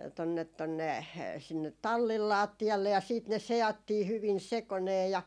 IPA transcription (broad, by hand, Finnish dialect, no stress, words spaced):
tonːet tonːe sinːet tɑlːil lɑːtːiɑlːe jɑ siːt ne seɑtːiː hyʋin sekoneː jɑ